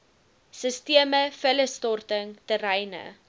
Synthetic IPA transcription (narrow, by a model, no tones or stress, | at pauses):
səstiəməfələstɔrtəŋtəɾɛjnə̰